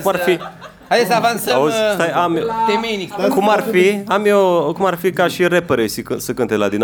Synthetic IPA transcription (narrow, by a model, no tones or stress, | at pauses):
kumarfi | ad̪esavant̪saozst̪ajamd̪emenikkumarfiamjokumarfikaʃiɾepeɾesikɨsəkɨnt̪elad̪in